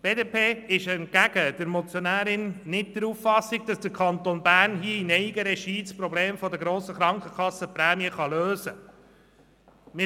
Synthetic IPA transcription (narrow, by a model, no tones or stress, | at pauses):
b̥eːdeːpʰeːɪʃɛnt̚kæɡ̥əd̥̪əɾmɔt͡sjonæːɾɪnːɪt̚d̪̥əɾufːɑsːiɡ̚d̥ɑsd̥əkʰɑnt̪onbæɾnɦiəinɛiɡəɾɛʃiːspɾɔbleːmfɔd̪əɡɾoːsəχɾɑŋkχəkʰɑsːəpɾæːmiəχɑløːzə | mɪ